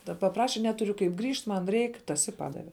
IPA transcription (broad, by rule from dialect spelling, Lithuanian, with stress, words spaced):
ˈdɐ pɐˈprɑːʃʲɛ ˈnʲæːtʊrʲʊ kɐɪp ˈɡrʲiːʃt ˈmɐn ˈrʲɛɪk ˈtɐs ɪ ˈpɑːdɐʋʲɛ